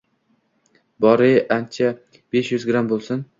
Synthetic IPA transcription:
bɒɾɪʔant͡ʃʰa | beʃjʏzɡɾambolˠsɪn

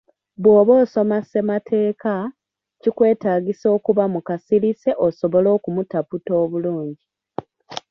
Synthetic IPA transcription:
βwo̞ːβoːso̞mase̞matʰe̞ːka | cikwe̞ːtaːɡiso̞ːkuβamukasilise̞ʔoso̞βo̞lo̞ːkumutaputo̞ːβuluːɲɟi

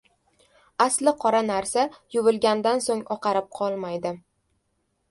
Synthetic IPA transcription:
aslɪqʰɒɾanaɾsajʊvɪlɡʲand̪ansoŋɒqʰɑɾɪp̚qʰɒlˠmajd̪ɪ

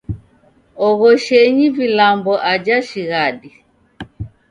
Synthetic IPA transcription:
ɔɣɔʃɛɲivilambɔʔad͡ʒaʃiɣaɗi

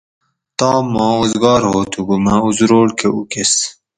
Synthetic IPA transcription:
t̪ɑːmɑ̃ːozɡɑːɾhoːt̪ʰuɡumauzɾoːɽkʰeukes

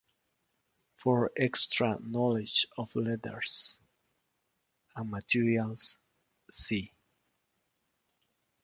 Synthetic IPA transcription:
fɔɹɛkstɹanɔlɪd͡ʒɔvlɛdə̰ɹs | ãnmatʰiɹialsː | i

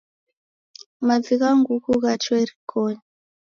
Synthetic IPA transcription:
mad͡zikaŋɡukuɣat͡ʃwɛɾikɔɲa

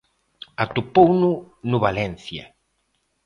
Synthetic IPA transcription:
at̪upownʊ | nʊβalɛnθja̰

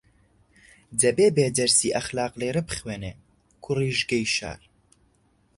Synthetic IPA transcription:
dɐbeːbeːd̪ɐɾsiːʔɐxlaːqleːɾɛbɨ̥χweːneː | kʰuriːʒɡejʃa̰ːɾ

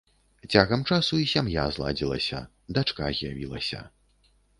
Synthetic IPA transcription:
t͡sʲaɣɐmt͡ʂasuisʲamja̰zlˠa̰d͡zʲilˠɐ̰sʲɐ̰ | d̪at͡ʂka̰zʲjavʲilˠɐsʲɐ̰

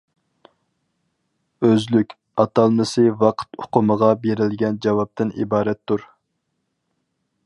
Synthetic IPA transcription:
øzlykʲ | ɑt̪ɑlˠmɨsɨvɑqʰə̥t̪ʊ̥qʊməʁɑbeɾɪlɡʲɛnd͡ʒɑwɑp̚t̪ʰɨnḭbɑːɾɛt̪ʰːuɾ

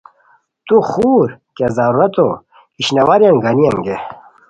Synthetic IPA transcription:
t̪uxuːɾkezɐɾuɾɐt̪o | iɕnɐwaɾjɐŋɡɐnijɐŋɡe

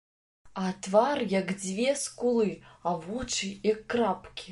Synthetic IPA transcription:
at̪varjakd͡zʲvʲɛskulˠɨavut͡ʂɨjakːrapkʲi

